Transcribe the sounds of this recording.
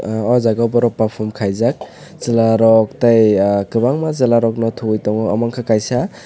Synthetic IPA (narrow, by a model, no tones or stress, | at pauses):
ɔzaɡabɔɾɔpːapʰɔmkʰajzak̚ | z̥ilaɾɔk̚tajkɯbaŋmazalaɾɔk̚nɔtʰujtɔŋɔa̰maŋkʰakajsa